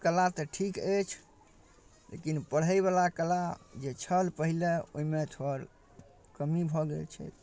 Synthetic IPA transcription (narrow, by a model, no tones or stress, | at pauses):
kəlat̪ɔʈʰiket͡ʃʰ | lḛkinpəɽ̤ɦəjβalakəlad͡ʒet͡ʃʰəlpəɦileo̰imet̪ʰoəɾ | kəmibʱɔɡḛlt͡ʃʰɛ̰